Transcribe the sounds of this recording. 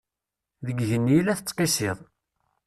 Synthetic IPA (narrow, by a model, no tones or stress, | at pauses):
ðəɡʝənːjilæθət͡sːqesɪðˤ